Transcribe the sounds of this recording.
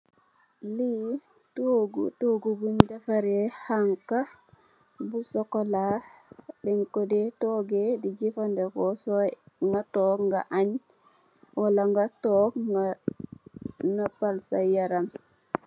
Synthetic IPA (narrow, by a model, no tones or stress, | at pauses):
li | toɡṵtoɡubundafaɾehaŋka | busɔkɔla | dɛŋkɔdetoːɡedid͡ʒifandekɔsɔŋɡatɔkŋɡaʔaɲ | walaŋɡatɔk | napalsajaɾam